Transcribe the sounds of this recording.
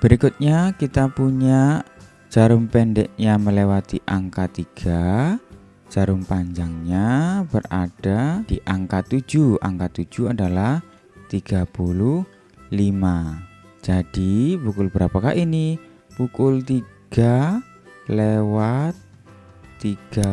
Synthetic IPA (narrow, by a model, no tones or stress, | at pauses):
b̥əɾikʊt̪̚ɲakit̪apuɲaʔ | d͡ʒ̥aɾʊmpɛndɛʔɲaməlewat̪iʔaŋkat̪iɡ̥ḁ | d͡ʒ̥aɾʊŋpaɲd͡ʒaŋɲabəra̰d̥ad̥iʔaŋkat̪ud͡ʒua̰ŋkat̪u̥d͡ʒ̥uadalah | t̪iɡ̥apulʊh | lima | d͡ʒad̥ipukʊlbəɾapaka̰ʔini | pukʊlt̪iɡ̥a | lewat̪ː | iɡ̥a